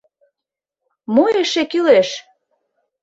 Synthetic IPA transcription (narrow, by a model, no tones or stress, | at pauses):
moeʃekyleʃ